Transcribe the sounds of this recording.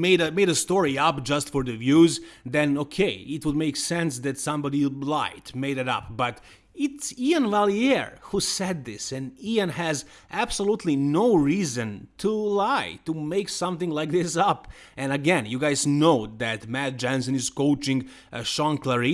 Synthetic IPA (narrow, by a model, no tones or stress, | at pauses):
meɪɾɨmeɪɾɨstɔɹiʌp̚d͡ʒʌstfɔ˞ðɨvjuzðɨ̃nokʰeɪɪt̚wəd̚meɪksɛ̃ns̬ðɨtsʌ̃mbɑɾilaɪtmeɪɾɨɾʌ̰p̚b̥ʌɾ | ɪtsiɨ̃nvælˠiɛɹhusɛd̪̚ðɪsɨ̃niɨ̃nɨz | ʔæb̥səlutʰˡlinoʊɹizɨ̃ntʰulaɪtumeɪksʌ̃mθɪ̃ŋlaɪk̚ðɪsʌp | ʔɨ̃nɨɡɛ̃njɨɡaɪznoʊðɨt̚mæt̚d͡ʒæ̃nsɨ̃nɨz̥koʊt͡ʃɪ̃ŋ | ʃɑ̃nkʰlɛɹi